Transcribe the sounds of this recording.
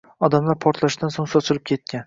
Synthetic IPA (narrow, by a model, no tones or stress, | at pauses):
ɒd̪amlaɾpʰɒɾt̪ʰlaʃd̪ansoŋsɒt͡ʃʰɪɾɪp̚kʲʰe̞t̪̚kʲan